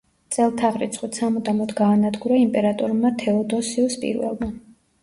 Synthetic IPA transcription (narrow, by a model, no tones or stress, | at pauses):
t̪sʼɛlˠt̪ʰaʁɾḭt̪sʰχwit̪sʰamɔd̪amɔd̪ɡaːnad̪ɡuɾaimpʼɛɾat̪ʼɔɾmat̪ʰɛɔd̪ɔsiɔspʼḭɾvɛ̰lˠma